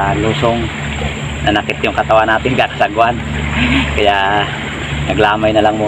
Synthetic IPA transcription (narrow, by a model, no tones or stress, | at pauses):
luːsoŋ | nɐnɐkɪt̪̚jʊŋkɐt̪ɐwanːaːt̪ɪnkakɐ̥saɡʊʔankɐjaʔ | nɐɡlaːmajnɐlaŋmuː